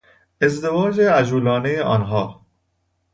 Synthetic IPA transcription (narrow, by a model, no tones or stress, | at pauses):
ezd̪evɒːd͡ʒeæd͡ʒuːlɒːnejeʔɒ̰nɦɒː